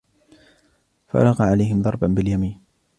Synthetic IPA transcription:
fa̰lɑqɑʕalajhɪmðˤɑɾˤbanbɪljamiːn

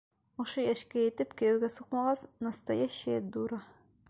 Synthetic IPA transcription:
ŏʃɤjæʃkæjɘ̆t̪ɘpkæjɘɡæsuqmɑʁɑsnɑst̪ɑjɑɕæd̪uɾɑ

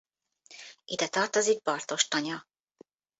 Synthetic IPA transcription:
id̪ɛt̪ɒrt̪o̞ziɡ̚bɒrt̪o̞ʃt̪ɒɲɒ

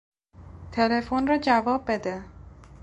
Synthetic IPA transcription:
t̪ʰelefonrɒːd͡ʒævɒːb̚ːe̞d̪e

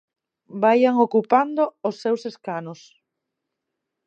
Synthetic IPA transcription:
bajaŋokupand̪oosːewseskanos

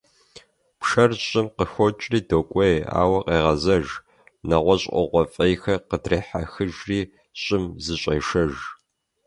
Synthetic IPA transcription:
pʂɐrɕʼɪmqəxʷɔt͡ʃʼriːdoːkʷʼɔja̰ːwɐqeːʁɐzɐʒ | nɐʁʷɔɕʼʔɔ̰ʁʷɔfʼɐjxɐqədreːħaxɨʒriː | ɕʼɪmzɨɕʼɐjʂɐʒ

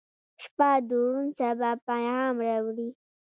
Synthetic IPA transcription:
ʃpad̪uunt͡sabapanhɑmɾawɽi

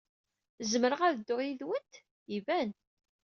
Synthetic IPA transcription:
zməɾəʁaðəd̪ːʊʁiðwənt̪ | ivæn

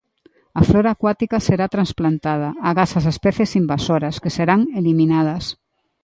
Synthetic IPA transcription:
ɐfloɾaːkwat̪ikaseɾat̪ɾansplant̪að̞ɐaɣasɐsespɛθesimbasoɾɐskeseɾaŋeliminað̞ɐs

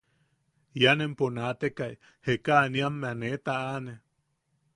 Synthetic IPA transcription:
janemponat̪ekaj | hekaniamːeanet̪aane

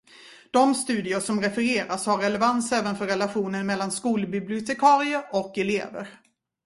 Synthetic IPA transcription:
d̪̥ɔmst̪ʉ̟ːd̪ɪʊʂɔmɾɛfɛɾeːɾashaɾːɛlɛvansɛːvənfœɾːɛlaɧuːnənmɛlːanskuːlbɪblɪʊt̪ʰɛkʰɑːɾɪəɾɔkɛlḛːvə̰ɾ

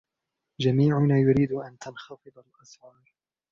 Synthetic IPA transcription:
d͡ʒamiːʕʊnaːjʊɾiːd̪ʊʔant̪anxɑfɨd̪ˤalʔɑsʕɑːɾˤ

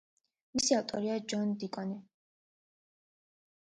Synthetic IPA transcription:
misiaft̪ʼɔɾiad͡ʒɔnd̪ikʼɔnɛ

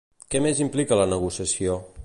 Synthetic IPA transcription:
kɛmezimplikələnəɣusiəsio

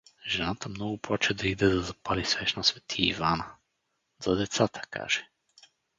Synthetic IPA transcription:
ʒɛnat̪əmnɔɡʊplˠat͡ʃɛd̪ɐid̪ɛd̪ɐzɐpalisvɛʃnasvɛt̪ʰiḭvanə | zɐd̪ɛt̪sat̪ə̥ka̰ʒ̥ɛ

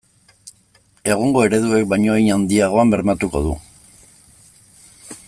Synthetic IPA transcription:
e̞ɣ̞oŋɡo̞e̞ɾe̞ðue̞k̚bajɲo̞jɲand̪iaɣ̞o̞ambe̞ɾmat̪uko̞ð̞ṵ

